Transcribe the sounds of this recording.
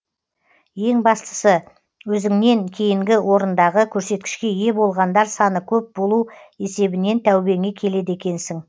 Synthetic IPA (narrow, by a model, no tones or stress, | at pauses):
je̞ŋbɑst̪ə̥sə | wɵzɪŋne̞ŋkʲʰe̞jɪŋɡʲɪwo̞ɾənd̪ɑʁəkʲʰɵɾse̞t̪̚kʲɪ̥ʃkʲe̞je̞bo̞lˠʁɑnd̪ɑɾsɑnəkʲʰɵp̚bo̞lˠue̞se̞bɪne̞nt̪ʰæwbe̞ŋʲe̞kʲʰe̞le̞d̪ekʲe̞nsɪŋ